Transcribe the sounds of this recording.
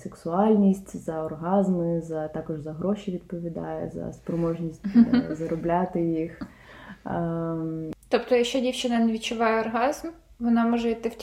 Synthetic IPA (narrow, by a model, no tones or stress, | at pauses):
seksʊɑlʲnʲisʲtʲzɐɔrɦɑzmɪzɐt̪ɑkɔʒzɐɦɾɔʃʲiʋʲid̪̚pɔʋʲid̪ɑ̰jɛ̰zɐ̰spɾɔmɔʒnʲisʲtʲzɐɾɔblʲat̪ɪjix | t̪ɔpt̪ɔjɐkʃt͡ʃɔdʲiwt͡ʃɪnɐneʋʲit͡ʃːʊʋɑjɛɔrɦɑzm | ʋɔnɑmɔʒɛit̪ɪwʲ